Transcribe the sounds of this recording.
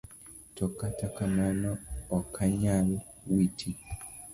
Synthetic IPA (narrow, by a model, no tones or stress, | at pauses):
tɔkatakamanɔːkʰaɲalwitʰi